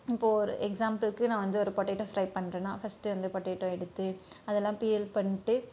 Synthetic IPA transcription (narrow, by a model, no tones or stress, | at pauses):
ɪpːoːɔɾɯ̰ʔɛksaːmpɐlkːɯnãːʋɐnd̪ɯɔɾɯpoːʈːeːʈːõːfɾɐɪpɐɳːɾẽːnãːfɐsʈɯʋɐnd̪ɯpoːʈːeːʈːõːɛɽɯt̪ːɯ | ɐðɛlːãːpiːɛlpɐɳːɪʈːɯ